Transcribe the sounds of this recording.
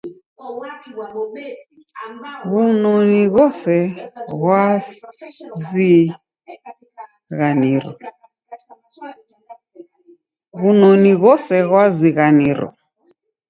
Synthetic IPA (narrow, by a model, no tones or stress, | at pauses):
βunɔniɣɔsɛɣwa | zi | ɣaniɾɔ | βunɔniɣɔsɛɣwaziɣaniɾɔ̰